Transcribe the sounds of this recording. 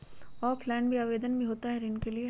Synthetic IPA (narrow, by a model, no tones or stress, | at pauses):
ɔːɾpʰlɛːnbʱiaːʋeːd̪ənbʱiɦoːt̪aɦɛɾɪnkelie